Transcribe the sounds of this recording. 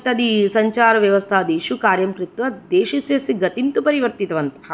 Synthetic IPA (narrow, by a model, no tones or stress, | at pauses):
t̪ɐd̪isɐɲt͡ʃaːɾɐʋjɐʋɐst̪ʰaːd̪iʃukaːɾjɐmkɾit̪ʋɐd̪eːʃisjɐsiɡɐt̪int̪upɐɾiʋɐɾt̪it̪ɐʋɐnt̪ɐ̥ɦɐ